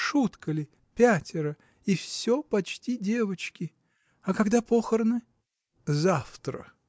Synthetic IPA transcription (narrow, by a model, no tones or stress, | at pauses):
ʂut̪kəlʲɪ | pʲætʲɪɾə | ifsʲopɐt͡ɕtʲidʲe̞vət͡ɕkʲɪ | ɐkɐɡd̪apoxərnɨ | zaft̪ɾə̰